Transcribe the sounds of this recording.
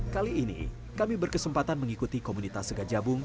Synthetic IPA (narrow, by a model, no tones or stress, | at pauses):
kaliːnḭ | kamibərkəsəmpat̪anməŋikut̪ikomunit̪asɡad͡ʒabʊŋ